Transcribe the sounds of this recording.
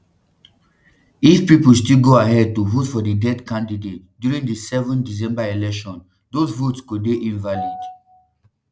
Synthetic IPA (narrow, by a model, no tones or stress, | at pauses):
ifpipəl̩stilɡoaɦɛd̚tuvotfɔdədɛdkãndidet̚djuɹĩŋdəsɛvɔ̃ndis̬ɛ̃mbaelɛkʃɔ̃n | dozvotskud̚deʔĩnvalid